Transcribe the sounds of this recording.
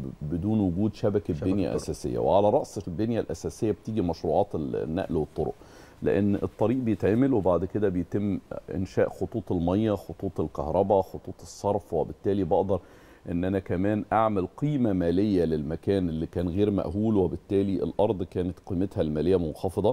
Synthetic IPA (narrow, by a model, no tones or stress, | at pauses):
bed̪uːnwʊɡuːd̪ʃæbækd̪enjæ̰ʔæ̰sæːsḛjːæ̰wḛʕalæɾˤɑʔsˤbenjælʔæsæːsejːæbet̪iːɡimɑʃɾuːʕɑːt̪enːæ̰ʔlwet̪ˤːoɾo̰ʔ | lḛʔḛnːḛt̪ˤːɑɾiːʔbejet̪ʕeːmelwebaʕd̪ked̪æbejt̪emːʔḛnʃæːʔxot̪ˤuːt̪ˤelmɑjːæxot̪ˤuːt̪ˤelkɑhɾˤɑbæxot̪ˤuːt̪ˤesˤːɑɾˤfwebɪt̪ːæːlibɑʔd̪ɑɾˤ | ʔenːʔænækæmæːnʔaʕmælqiːmæmæːlejːælelmækæːnʔelːiːkæːnɣeːɾmæ̰ʔɦuːlwebɪt̪ːæːliʔḛlʔɑɾˤd̪ˤkæːnet̪qiːmet̪hælmæːlejːæmonxɑfed̪ˤɑ